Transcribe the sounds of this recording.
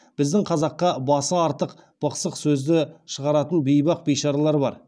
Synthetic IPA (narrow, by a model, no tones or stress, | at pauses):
b̥ɪzd̪ɪŋqʰɑzɑqːɑbɑsəɑɾt̪əq | b̥əqsəqsɵzd̪ɪʃəʁɑɾɑt̪ənbejbɑq̚bejʃɑɾɑlˠɑɾbɑɾ